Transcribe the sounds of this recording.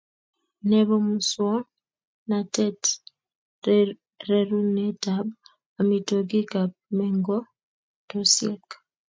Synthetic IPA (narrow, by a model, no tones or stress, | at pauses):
neβomuswɔ | natɛt | ɾeɾunetab | amitoɡikamɛŋɡo | tosjek